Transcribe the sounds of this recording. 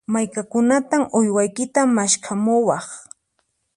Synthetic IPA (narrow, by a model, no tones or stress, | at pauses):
majkakʊnat̪amʔʊjwajkɪt̪amaʃkʰamʊwɑχ